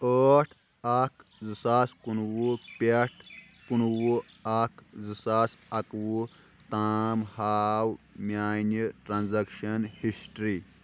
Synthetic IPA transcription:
əːʈʰ | ɐkʰzɨsaskunwupʲeʈ̚ʰ | kunwu | ɐkʰzɨsaːsɐkwu | t̪aːmhaːwmʲjaːnɨʈɾanzɐkʃɐnhisʈɾi

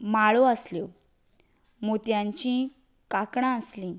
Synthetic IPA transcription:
maɭoəslo | mot̪jãɲt͡ɕĩ | kakɳãəslĩː

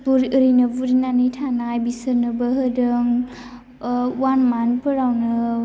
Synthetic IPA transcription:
buɾɯɾinɐbuɾinanɯjtʰanaajbisɯɾnɯbɐɦɯdɯŋ | wanmanpʰɯɾawnɯ

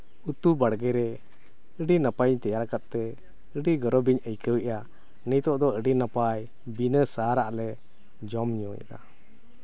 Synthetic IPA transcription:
ut̪ubaɽɡɛɾɛ | əɖinapajɲt̪ɛjaɾkat̪̚ˀt̪ɛ | əɖiɡɔɾɔbiɲəjkəwɛʔa | nijt̪ɔʔd̪ɔəɖinapaj | binəsaɾaʔlɛ | d͡ʒɔmɲɔ̃ja̰ʔ̪a

